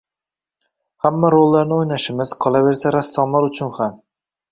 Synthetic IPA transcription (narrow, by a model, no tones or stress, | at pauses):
hamːaɾolˠːaɾnɪojnaʃɪmɪz̥qʰɒlˠave̞ɾsaɾasːɒmlaɾʊt͡ʃʰʊnham